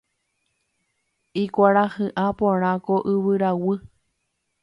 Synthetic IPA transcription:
ikʷaɾahɨʔapõɾ̃ãkoʔɨβɨɾawɨ

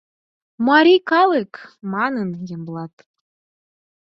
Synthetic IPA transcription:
mɑɾʲikɑlˠɨkmɑnənjɤ̆mblˠɑt̪

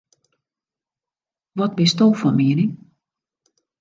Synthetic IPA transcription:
ʋɔt̚bɪstolˠfɔnmiːniŋ

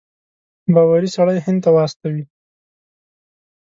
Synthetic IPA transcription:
bɑwaɾisaɽəjɦɪnd̪t̪awɑst̪awi

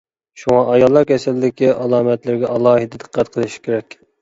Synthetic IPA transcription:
ʃuŋɑʔɑjɑlˠːɑɾkʲʰɛsɛld̪ɪkʲiʔɑlˠɑːmɛt̪lɪɾɡʲɛʔɑlˠɑːɦid̪ɨd̪ə̥qʰːæt̪̚qʰəlˠɨʃi̥kʲʰeɾɛkʲ

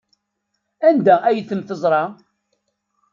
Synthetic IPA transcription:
ænd̪ææjəθəmθəzˤɾˤɑ

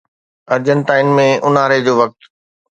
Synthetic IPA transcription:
ɐɾd͡ʑənʈaːɪnmẽʊnaːɾed͡ʑoːʋɐk̚t̪

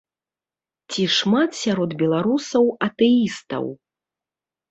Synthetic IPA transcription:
t͡sʲiʂmat̪sʲaɾɔd̪bʲɛlˠaɾusɐwɐt̪ɛist̪ɐ̰w

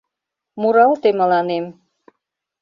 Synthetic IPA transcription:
muɾɑlt̪emə̆lɑnem

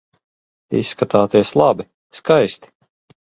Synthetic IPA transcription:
ḭsːkat̪aːt̪iɛslˠɑbi | skajst̪i̥

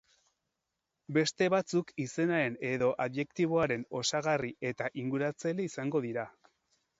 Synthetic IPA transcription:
be̞st̪e̞βat͡sukise̞naɾe̞ne̞ðo̞ʔaβje̞kt̪iβ̞o̞aɾe̞no̞saɣarie̞t̪aʔiŋɡuɾat͡seleisaŋɡo̞ðiɾa

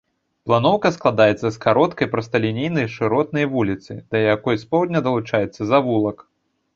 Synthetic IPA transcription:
plˠan̪ɔwkɐsklˠad̪ajɛt̪sːɐskaɾɔt̪kɐjpɾɐst̪ɐlʲinʲejnɐjʂɨɾɔt̪̚nɐjvulʲit̪sɨ̰d̪̥ɐjakɔjspɔwd̪ʲnʲɐd̪ɐlˠut͡ʂajɛt̪sːɐzavulˠɐk

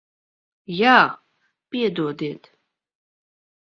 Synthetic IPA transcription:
jaː | pʼiɛd̪uɔd̪eːt̪ʰ

